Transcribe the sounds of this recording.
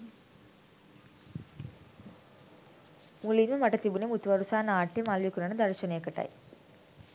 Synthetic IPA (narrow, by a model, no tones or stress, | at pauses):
mulimɐmɐʈːɐt̪ibunemut̪ʋɐɾusaːnɐaːʈːemaːlʋikːunɐnɐd̪ɐɾɐt͡ʃɐneːkɐʈːa̰j